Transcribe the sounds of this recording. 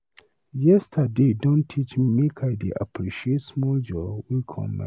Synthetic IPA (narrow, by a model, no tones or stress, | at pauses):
jɛstʰədedõntʰit͡ʃmimekʰaɪdeʔa̰pʰɹiʃietsmɔld͡ʒɔwilkʰɔ̰̃mla̰